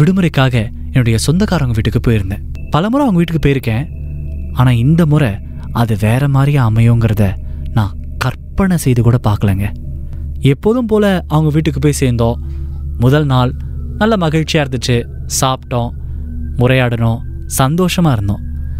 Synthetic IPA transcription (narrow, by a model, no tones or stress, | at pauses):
ʋɪɽɯmɯɾɐɪkːaːɣɐ | ɛnːʊɽɐjɐsɔnd̪ɐkaːɾɐʋɐŋɡɐʋiːʈːɯkːɯpoːjɪɾɯnd̪ẽː | pɐlɐmʊɾɐ̃ɐʋɐŋɡɐʋiːʈːɯkːɯpoːjɪɾɯkːẽː | aːnaːɪnd̪ɐmʊɾɐ | ɐðɯʋeːɾɐmaːd̪ɾɪjaɐmɐjõːŋɡɪɾɐðɐ | nãːkɐɾpːɐɳɐsɛjðɯkuːɽɐpaːɾkɐleːŋɡɐ | ɛpːoðɯmpoːlɐɐʋɐŋɡɐʋiːʈːɯkːɯpoːjsɛjnd̪õːmʊðɐlnaːl | nɐlːɐmɐɣɪɻt͡ʃːɪjaːɪɾɯnd̪ɯʈːɯ | saːpʈːõː | mʊɾɐjaːɽɐnõː | sɐnd̪oːʂɐmaːɪɾɯnd̪õː